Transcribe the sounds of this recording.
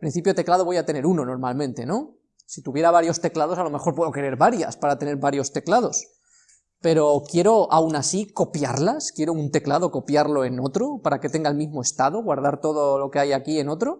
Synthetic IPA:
pɾin̟θipjot̪e̞klaðoβ̞ojat̪e̞ne̞ɾuno̞no̞ɾmalmẽnt̪e̞no̞ | sit̪uβje̞ɾaβaɾjo̞st̪e̞klað̞o̞salo̞me̞xo̞ɾpwe̞ðo̞ke̞ɾe̞ɾβaɾja̰spaɾat̪e̞ne̞ɾβaɾjo̞st̪e̞klaðo̞s | pe̞ɾo̞kje̞ɾo̞awnasiko̞pjaɾlaskje̞ɾo̞unt̪e̞klaðo̞ko̞pjaɾlo̞e̞no̞t̪ɾo̞paɾake̞t̪e̞ŋɡaelmizmo̞e̞st̪aðo̞ɣwaɾð̞aɾt̪o̞ðolo̞ke̞ajakie̞no̞t̪ɾo

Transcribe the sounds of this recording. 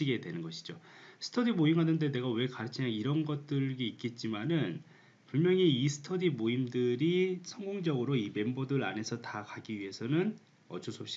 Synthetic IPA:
iɡe̞dwe̞nɯnɡʌɕʰi̥d͡ʑosʰɯ̥tʰʌdimoimɦanɯnde̞nde̞ɡawe̞kaɾɯt͡ɕʰiɲaŋiɾʌnɡʌt̚t͈ɯɭɡeik͈et̚t͡ɕ͈imanɯn | pumjʌŋiisʰɯ̥tʰʌdimoimdɯɾisʰʌŋɡoŋd͡ʑʌɡɯɾoime̞mbodɯɾa̰ne̞sʰʌtakaɡiɥiɦe̞sʰʌnɯn | ʌ̰t͡ɕʰosʰop̚ɕ͈i

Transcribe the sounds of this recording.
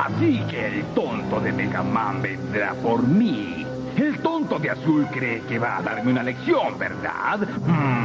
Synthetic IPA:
a̰sikeːlt̪ont̪oðemeka̰mːambend̪ɾa̰poɾmi | elt̪ont̪od̪easulkɾekevaːd̪aɾmeunaleksjombḛɾd̪a̰d̪̩

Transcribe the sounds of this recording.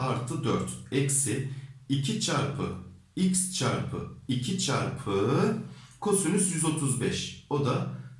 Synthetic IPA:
aɾt̪ʰɯd̪øɾt̪ɛcsɪicʰit͡ʃʰaɾpʰɯ̰ | icst͡ʃʰaɾpʰɯ̰icʰit͡ʃʰaɾpʰɯ | kʰo̞synysjyzo̞t̪ʰuzbɛʃo̞d̪a

